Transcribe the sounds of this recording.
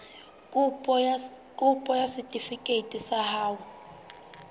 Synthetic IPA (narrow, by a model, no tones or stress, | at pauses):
kʼupʼɔkʼupʼɔjasitʼifikʼetʼisahaːwɔ